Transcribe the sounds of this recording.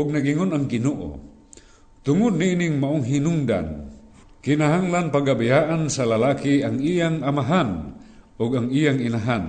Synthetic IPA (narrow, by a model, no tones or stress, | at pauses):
ʔʊɡ̚naɡiŋʊnaŋɡɪnoʔo̰ | t̪ʊŋʊd̪̚niʔiniŋmaʔʊŋɦinʊŋd̪a̰n | kɪnaɦaŋlanpaɡabajaʔansalalakiaŋijaŋamaɦan | ʊɡaŋijaŋinaɦan